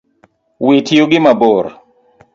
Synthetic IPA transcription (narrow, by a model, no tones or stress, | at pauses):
witʰjoɡɪmaboɾ